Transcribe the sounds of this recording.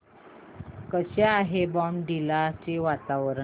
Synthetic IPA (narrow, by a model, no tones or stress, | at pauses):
kəɕaːɦebɔmɖilat͡ɕeʋat̪aʋəɾə